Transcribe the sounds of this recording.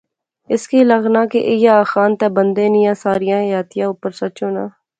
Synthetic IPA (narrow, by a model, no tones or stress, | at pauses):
ɪskiːləɡnaːkeʔɪjaːxaːnt̪eːbənd̪eːnɪjãːsaːɾɪjãːjaːt̪ɪjãːupːəɾsət͡ʃoːnaː